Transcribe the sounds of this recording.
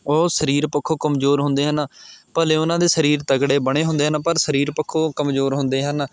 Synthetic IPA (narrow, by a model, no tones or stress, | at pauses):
oːsəɾiːɾpəkʰːoːkəmzoːɾɦʊ̃nd̪eːɦənpəːleːʊnãːd̪eːsəɾiːɾt̪əkɽeːbəɳeːɦʊ̃nd̪eːɦənpəɾsəɾiːɾpəkʰːoːkəmzoːɾɦʊ̃nd̪eːɦən